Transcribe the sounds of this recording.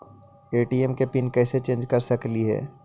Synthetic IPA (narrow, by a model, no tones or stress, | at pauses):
eːʈiːɛmkepɪnkɛːset͡ʃẽːnd͡ʒkɐɾsɐkliɦɛ̰ː